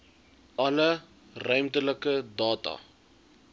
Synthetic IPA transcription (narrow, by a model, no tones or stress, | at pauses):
ʔɐlə | rœɥmtələkədɑːtɑ̰